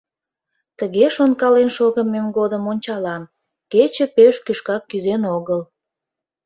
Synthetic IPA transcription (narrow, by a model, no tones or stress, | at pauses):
t̪əɣeʃonkɑlenʃoɣəmemɡod̪əmonʲt͡ɕɑlɑm | ket͡ɕə̆peʃkyʃkɑkːyzenoɣəl